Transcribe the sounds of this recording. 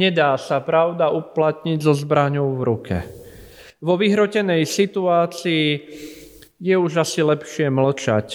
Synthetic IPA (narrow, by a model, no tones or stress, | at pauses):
ɲɛd̪aːsapɾaʊd̪auplat̪ɲiɟzɔzbɾaɲɔʊvɾukɛ̰ | ʋɔʋiɦɾɔcɛnɛjsit̪uaːt͡siː | jɛuʒasilɛpʃɪɛml̩t͡ʃa̰c